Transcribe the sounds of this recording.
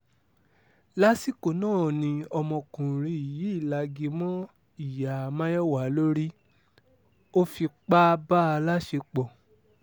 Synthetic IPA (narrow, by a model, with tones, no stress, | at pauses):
la˦si˦ko˧nãː˦˨nĩ˧ɔ˧mɔ̃˧kũ˨ɾĩ˧i˨ji˨˦i˦˨la˨˧ɡi˧˦mɔ̃˦ | i˨ja˨mã˦jɔ˦wa˨˦lo˦ɾi˦ | o˦fi˧k͡pa˦ba˦˧la˦ʃe˧k͡pɔ˨